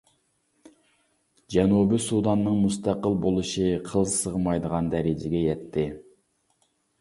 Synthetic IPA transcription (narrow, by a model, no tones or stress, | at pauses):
d͡ʒɛnubisud̪ɑnːɨŋmust̪ɑqəlˠbolˠɨʃɨqʰəlˠzsəʁəmɑjd̪əʁɑnd̪ɛɾɪd͡ʒɪɡʲɛjɛt̪ʰːɪ